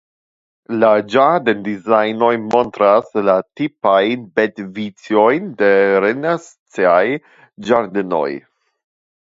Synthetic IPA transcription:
lad͡ʒaɾdendizajno̞jmontɾaslatipajnbetvit͡sjo̞jndeɾenas | t͡siaj | d͡ʒaɾd̪eno̞̰j

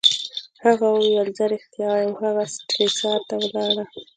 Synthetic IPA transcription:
haɣawjalzaɾext̪jɑwjəmhaɣasʈɾisɑɾt̪awəlɑɽa

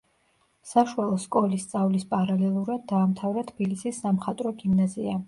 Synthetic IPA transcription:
saʃwalˠɔskʼɔlist̪sʼavlispʼaɾalɛlˠuɾad̪̚ːaːmt̪ʰavɾat̪ʰb̥ilisisːamχat̪ʼɾɔɡimnazia

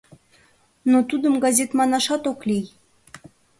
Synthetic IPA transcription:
not̪ud̪əmɡɑzʲet̪mɑnɑʃɑt̪oklij

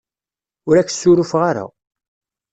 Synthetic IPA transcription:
ʊɾæç̥ːsːʊɾufʁaɾa̰

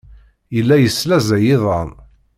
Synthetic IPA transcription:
jəlːæjəsːlæzæjɪðˤɑn

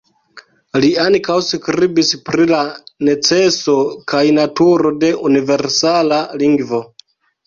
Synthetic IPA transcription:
liaŋkawskɾibispɾilane̞t͡se̞so̞kajnatuɾo̞de̞ʔunive̞ɾsalaliŋɡvo̞

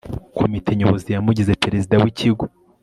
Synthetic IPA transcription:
kʰomitʰe̞ɲoβozijamuɟize̞peɾezidawiciɡo

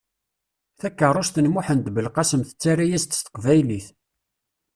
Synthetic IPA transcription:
θækːərˤoʃθənmuħənt̪bəlqɑsəmθə̥t͡sːaɾajæst̪ːə̥st̪ːə̥qvæjliθ

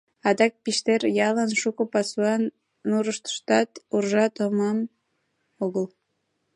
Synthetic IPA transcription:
ɑd̪ɑk̚piʃt̪erjɑlənʃukəpɑsuɑnː | uɾəʃt̪ə̥ʃt̪ɑt̪urʒɑt̪omɑm | oɣəl

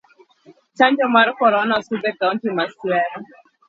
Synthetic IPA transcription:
t͡ʃaɲd͡ʒɔmaɾkɔɾɔnasud̪ɛkauntimaswɛɾɔ

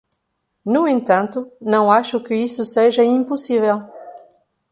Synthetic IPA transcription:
nuẽnt̪ɐ̃nt̪ʊnɐ̃w̃aʃʊkɪisʊseʒɐĩmpusivɛl

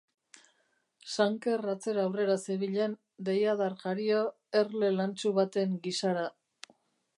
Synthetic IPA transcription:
saŋke̞rat͡se̞ɾːwre̞ɾaseβiʎen | d̪ejaðaɾʝaɾio | eɾle̞lant͡ʃuβat̪e̞ŋɡisaɾa

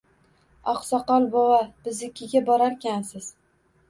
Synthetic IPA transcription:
ɒ̰qsɒqɒlˠbɒwab̥ɪzɪkʲʰːɪɡʲabɒɾaɾkʲʰansɪz̥

